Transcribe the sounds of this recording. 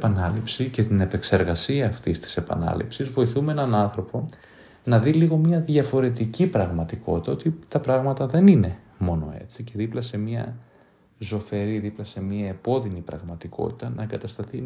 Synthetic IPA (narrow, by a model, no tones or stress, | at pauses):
pɐnɐlipsice̞t̪ine̞pe̞kse̞ɾɣɐsiɐːft̪ist̪i̥se̞pɐ̰nɐ̰lḭpsizvo̞iθumeenɐnɐnθɾo̞po̞ | nɐðiliɣo̞mɲɐðʝɐfo̞ɾe̞t̪icipɾɐɣmɐt̪iko̞t̪it̪ɐo̞t̪it̪ɐpɾɐɣmɐt̪ɐðe̞nine̞ | mo̞no̞̰e̞̰t͡sice̞ðiplɐse̞miɐ̰ | zo̞fe̞ɾiðiplɐse̞miɐepo̞ðinipɾɐ̰ɣmɐt̪iko̞̰t̪i̥t̪ɐnɐeŋɡɐt̪ɐst̪ɐθi